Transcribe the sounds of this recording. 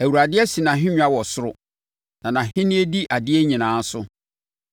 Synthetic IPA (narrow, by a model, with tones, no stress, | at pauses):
æ˨wu˨ɾa˨dɪ˦ɛ˦si˨nã˨ɦɪ̃˦ɲᶣ˦a˦wɔ˨sʊ˦ɾʊ˦ | nã˨nã˨hɪ̃˦nĩ˦e˦di˦ʔa˨dɪ˦ɛ˦ɲĩ˨nãː˨˦n̩˦sʊ˦